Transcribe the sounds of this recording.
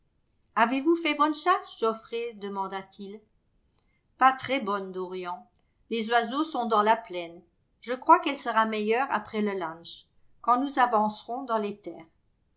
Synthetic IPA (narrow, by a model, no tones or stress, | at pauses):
avevufɛbɔnʃasʒɔfʁed̪əmɑ̃d̪at̪ʰil | pat̪χɛbɔnd̪ɔʁjɑ̃ | lezwazosɔ̃d̪ɑ̃laplɛn | ʒəkχwakɛlsəʁamɛjœʁa̰pχɛləlãʃ | kɑ̃nuzavɑ̃sʁɔ̃d̪ɑ̃let̪ɛːʁ